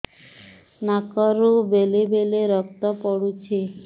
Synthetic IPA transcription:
nakɔɾubelebeleɾɔk̚t̪ɔpɔɽut͡ɕʰe

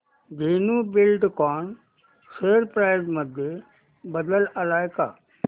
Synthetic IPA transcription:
ɡʱiːnubɪlɖkɔːɳ | seːəɾpɾaːɪzməd̪ʱje | bəd̪əlɐlaːjka̰ː

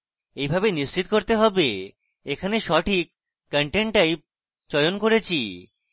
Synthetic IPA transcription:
ejbʱabenist͡ɕit̪koɾt̪eɦɔbe | ekʰaneʃɔʈʰikː | əɳʈeɳʈaj | t͡ɕɔjonkoɾet͡ɕʰi

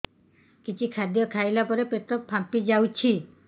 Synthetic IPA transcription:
kit͡ʃʰikʰad̪jɔkʰajlapɔɾepet̪ɾɔpʰːampid͡ʒawt͡ʃʰi

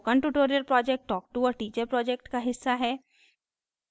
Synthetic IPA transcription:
kaːnʈuʈoːɾijəlpɾɔːd͡ʒɛk̚ʈːɔːk̚ʈuɔːɾʈiːt͡ʃəɾpɾɔːd͡ʒek̚ʈkaɦɪsːaɦɛː

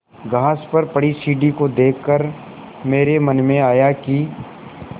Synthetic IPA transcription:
ɡʱaːspɐɾpɐɽisiːɖikod̪eːkːəɾ | meːɾemɐnmẽaːjaki

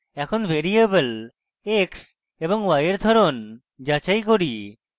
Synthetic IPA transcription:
ɛkʰonbʱeɾiebəl | eks | eboŋwajeɾd̪ʱɔɾon | d͡ʒat͡ʃajkoɾi

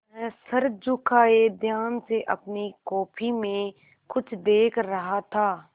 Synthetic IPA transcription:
mɛ̃ːsəɾd͡ʒʊkʰaːed̪ʱjaːnseʔɐpnikɔːpʰimẽ | kʊt͡ʃʰd̪eːkʰɾɐɦat̪ʰaː

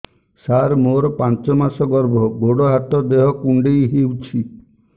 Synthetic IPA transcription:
saɾmoɾɔpãnt͡ʃɔmasɔɡɔɾbʱɔɡoɽɔɦat̪ɔd̪eɦɔkuɳɖejɦewt͡ʃʰi

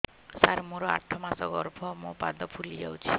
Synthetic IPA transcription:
saɾmoɾɔa̰ʈʰːɔmasɔɡɔɾbʰʱɔmopa̰d̪ɔpʰulid͡ʒawt͡ʃʰi

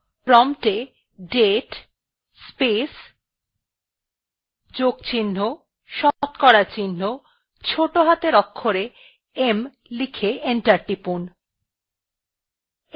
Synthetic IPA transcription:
pɾɔmʈe | ɖeʈ | spes | d͡ʑoɡt͡ɕinːo | ʃɔt̪kɔɾat͡ɕinːo | t͡ɕʰoʈoɦat̪eɾɔkʰːoɾe | em | likʰeeɳʈaɾʈipun

